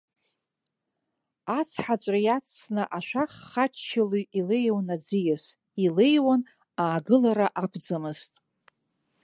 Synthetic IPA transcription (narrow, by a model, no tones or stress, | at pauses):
at͡sʰħat͡ʃʷʼrajat͡sʰnɨʔaʃʷᶣaχːat͡ʃt͡ʃʰaluʔilejwnad͡zijas | ilejwan | aːɡɨlaɾaʔapʷʰd͡zamɨztʼ